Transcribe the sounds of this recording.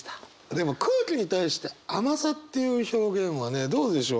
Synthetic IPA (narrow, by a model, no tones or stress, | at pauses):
d̪e̞mo̞kʰɯ̟ːkʲiɲ̟it̪aiɕi̥t̪e̞amasat̪ːe̞jɯ̟ːço̞ːɡẽ̞ɰ̃βane̞d̪o̞ːd̪e̞ɕo̞ː